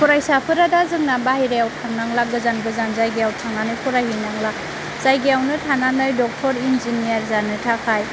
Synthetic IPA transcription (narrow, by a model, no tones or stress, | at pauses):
pʰɔɾajsapʰɯɾadazɯŋnabahiɾajawtʰaŋnaŋlaɡɯzanɡɯzanzajɡejawtʰaŋanɯjpʰɔɾajɦinaŋla | z̥ajɡejawnɯtʰananɯjdɔk̚tʰɔɾinzinijaɾzanɯtʰakʰaj